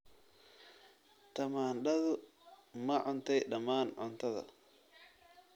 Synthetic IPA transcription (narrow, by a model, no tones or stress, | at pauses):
t̪ʰɐmaːnɖɐðʊmɐʕʊnt̪ʰɛjɖɐmaːnʕʊnt̪ʰɐðɐ̰